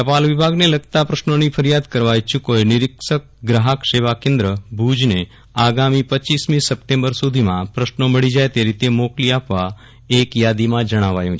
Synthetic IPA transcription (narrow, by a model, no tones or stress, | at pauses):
əpalʋɪbʱaɡneləɡt̪apɾəʃnonifʰəɾijad̪kəɾʋajt͡ʃʰukoenɪɾɪksək̚ɡɾaɦəkʃeʋakẽnd̪ɾəbʱud͡ʒne | aɡamipət͡ʃːismĩsəp̚ʈẽmbəɾsud̪ʱimãpɾəʃnoməɭid͡ʒaet̪eɾit̪emokliapʋa | ekjad̪imãd͡ʒəɽ̃aʋajũt͡ʃʰ